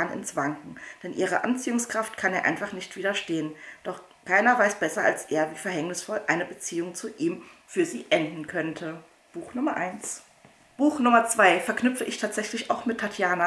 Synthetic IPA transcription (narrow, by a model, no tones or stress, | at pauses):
nɪ̰nsv̥aŋkŋ̩d̥ɛnʔiːʁ̞əʔa̰nt͡siːʊŋskʁ̥aftkʰaneːɐʔa̰ɪnfaχnɪçtv̥iːɾɐʃteːənd̥ɔχ | kʰaɪnɐvaɪsb̥ɛsɐa̰lsʔeːɐviːfɛɐɦɛŋnɪsfɔlʔaɪnəbət͡siːʊŋt͡suʔiːm | fyːɐziːʔɛndn̩kʰœntʰə | b̥uːxnʊmɐʔaɪns | b̥uːxnʊmɐt͡sv̥aɪfɛɐknʏpp͡fəʔɪçtʰaːtz̥ɛçlɪçaʊxmɪtʰːatʰjaːna